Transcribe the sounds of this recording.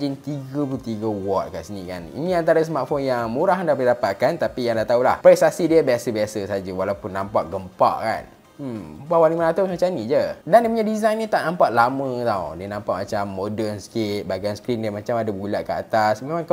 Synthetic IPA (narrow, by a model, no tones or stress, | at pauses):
d͡ʒint̪iɡəplut̪iɡəwɔt̪̚kaʔsənika̰nḭnĩant̪̬aɾəsəmat̪fonjaŋmuɾaɦndaʔpədidapat̪̚kant̪apijaŋdaht̪aula̰hpɾɛst̪asidiəbiasəbiasəsad͡ʒəwalawpunːãmpaʔɡəmpa̰ʔka̰n̩ | mbawaliŋmənat̪aamt͡ʃanid͡ʒədandipuɲadizajnːit̪aʔnãmpaʔ̪̚lamə̃t̪awdiənãmpaʔ̚mat͡ʃamːodərnsə̥kit̪̚baɡaansə̥kɾindiəmat͡ʃamadabulaʔkəa̰t̪asmemãŋk